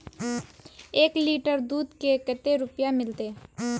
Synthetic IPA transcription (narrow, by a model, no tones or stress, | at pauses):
eːkliːʈəɾd̪uːd̪kekət̪eɾʊpjamɪlt̪eː